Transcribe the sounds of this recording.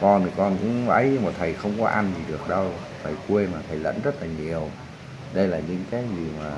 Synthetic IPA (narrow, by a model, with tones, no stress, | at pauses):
kɔ˧n˨˩kɔ˧nkʊ̰˧˥ŋ͡mʔə˨˦jɲɨ˧ŋmaː˨˩t̪ʰə˨˩jxə˧wŋ͡mkɔ˨˦ʔa˧nzi˨˩ɗɨ˨˩ək̚ɗə˧w | t̪ʰə˨˩jkwe˧maː˨˩t̪ʰə˨˩jlə̰˧˥nzə˦˥t̚laː˨˩ɲi˨˩əw | ɗə˧jlaː˨˩ɲɨ̰˧˥ŋkaː˨˦jzi˨˩maː˨˩